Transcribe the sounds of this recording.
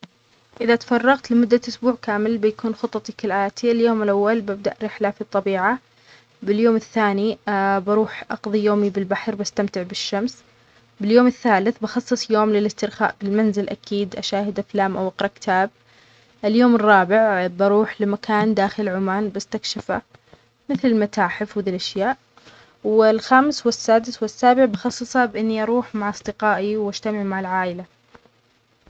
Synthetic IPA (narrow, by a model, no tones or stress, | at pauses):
ʔɪðat̪fɑrˤːɑɣt̪lɪmʊd̪ːaʔʊsbuːʕkaːmɪlbɪjakuːnxʊt̪ˤːɑt̪ˤikɪlʔaːt̪ʰiɪljoːmɪlʔawːalbɪb̚d̪aʔɾɪħlafit̪ˤːɑbiːʕa | bɪljoːmɪθːaːnibɑɾuːħʔɑqðˤijoːmibɪlbaħɾbast̪amt̪ɪʕbɪʃːams | bɪljoːmɪθːaːlɪθbɑxɑsˤːɨsˤjoːmlɪlɪst̪ɪɾxa̰ːʔbɪlmanzɪlʔa̰kiːd̪ʔaʃaːhɪd̪ʔaflaːmʔawʔɑqɾˤɑʔkɪ̥t̪ʰaːb̚ | ʔɪljoːmɪrˤːɑːbɪʕbɑɾˤuːħlɪmakʰaːnd̪aːxɪlʕʊmaːnbast̪akʃɪfa̰ | mɪθlɪlmat̪ʰaːħɪfwðiːlʔaʃjaːʔ | wɪlxaːmɪswɪsːaːd̪ɪswɪsːaːbɪʕbɑxɑsˤːɨsˤabʔɪnːiʔɑɾˤuːħmaʕɑsˤd̪ɪqɑːʔiwʔad͡ʒt̪amɪʕmaʕɪlʕaːʔɪla